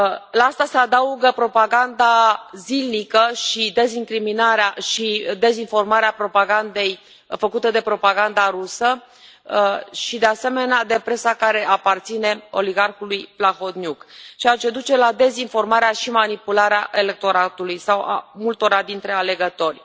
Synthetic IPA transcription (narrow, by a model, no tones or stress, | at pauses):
laast̪ase̞ad̪auɡəpɾo̞paɡand̪azilnikəʃid̪e̞ziŋkɾiminaɾeaʃid̪e̞zinfo̞rmaɾeapɾo̞paɡand̪e̞j | fəkut̪əd̪e̞pɾo̞paɡand̪aɾusə | ʃid̪e̞ase̞me̞nead̪e̞pɾe̞sakaɾe̞ʔapart̪sine̞o̞̰liɡarxulujplaxo̞t̪nʲjukt͡ʃeat͡ʃe̞d̪ut͡ʃe̞lad̪e̞zinfo̞rmaɾeaʃimanipulaɾeaʔe̞le̞k̚t̪o̞ɾat̪ulujsawa̰mult̪o̞ɾad̪int̪ɾe̞ale̞ɡət̪o̞rʲ